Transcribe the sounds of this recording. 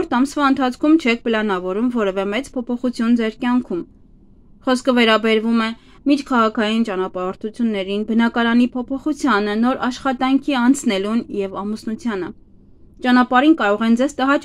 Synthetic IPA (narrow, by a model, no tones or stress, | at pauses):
ɾt̪ʰɑmsvɑənt̪ʰɑt͡sʰkʰumt͡ʃʰɛk̚ʰpəlɑnɑvɔɾumvɔɾɛvɛmɛt͡spʰɔpʰɔχut͡sʰjund͡zɛɾkjɑŋkʰum | χɔskʰəvɛɾɑbɛɾvumɛ | miɾkʰɑʁɑkʰɑjint͡ʃɑnɑpɑɾɔɾt̪ʰut͡sʰjunːɛɾinbənɑkɑɾɑnipʰɔpʰɔχut͡sʰjɑnənɔɾɑʃχɑt̪ɑŋkʰiɑnt͡sʰnɛlunjɛvɑmusnut͡sʰjɑnə̰ | t͡ʃɑnɑpɑɾinkɑɾɔʁɛnd͡zɛzt̪əɦɑt͡ʃ